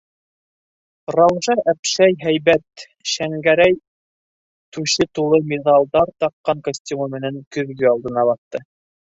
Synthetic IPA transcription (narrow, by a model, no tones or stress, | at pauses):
rɑwʒɑʔæpʃæjɦæjβæt̪ | ʃæŋɡæɾæj | t̪ʉʃɘt̪ulˠɤmʲeðɑlˠd̪ɑɾt̪ɑq̚qːɑŋkosʲtʲumɑmɘ̆næŋkɵ̆ðɡɵɑlˠd̪ɤ̆nɑβɑθːɤ